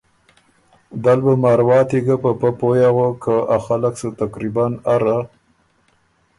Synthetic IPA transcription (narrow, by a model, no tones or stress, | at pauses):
d̪albəmɑɾwɑːt̪iɡapəpəpojaɣokʰəaxalaksət̪akɾibanaɾa